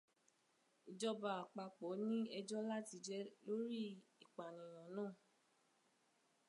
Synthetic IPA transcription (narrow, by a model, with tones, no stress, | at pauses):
i˨d͡ʒɔ˧ba˨k͡pa˧k͡pɔ˨˦nĩ˦ɛ˧d͡ʒɔ˦la˦ti˧d͡ʒɛ˦lo˦ɾi˦i˨k͡pa˨nĩ˨j̃ã˨˦nãː˦˨